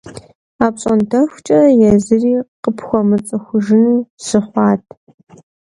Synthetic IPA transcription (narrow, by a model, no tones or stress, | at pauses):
aːpɕʼɐntʰɐxʷt͡ʃʼɐrɐjɛzɨriːqəpʰxʷɔmɨt͡sʼɨxʷʊʒɪnuːsɨχʷɑːtʰ